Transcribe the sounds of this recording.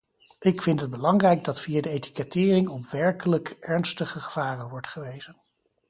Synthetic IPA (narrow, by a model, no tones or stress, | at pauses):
ʔɪkfɪntɦəd̚bəlɑŋrɛjɡ̚dɑtfijadəejti̥kɛtɪːrɪŋɔpʋɛɹkələkʔɛɹnstəχəχə̥v̥aːrənʋɔɹtχəʋejz̥ən